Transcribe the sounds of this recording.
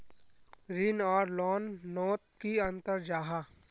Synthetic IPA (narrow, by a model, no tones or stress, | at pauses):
ɾɪnɔːɾlɔːnːɔːt̪̚kiɐ̃nt̪əɾd͡ʒaːɦa